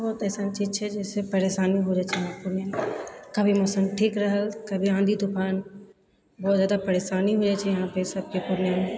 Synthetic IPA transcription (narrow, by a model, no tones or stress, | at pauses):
bɔːt̪ɛːsaːnt͡ʃiːzt͡ʃʰɛd͡ʒɛːsepɐɾeːʃaːniɦod͡ʒaːt͡ʃʰɛjãpʊɾnjakɐbʱimɔsənʈʰiːkɾɐɦəlkɐbʱiãːnd̪ʱid̪ʊkaːn | bɔːt̪zjaːd̪apɐɾeːʃaːniɦoːd͡ʒaːt͡ʃʰɛjɐɦãpesɐb̚kepʊɾnjamẽ